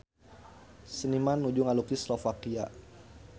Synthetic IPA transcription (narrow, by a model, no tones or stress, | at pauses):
sənimanːud͡ʒuŋalukislɔfakia̰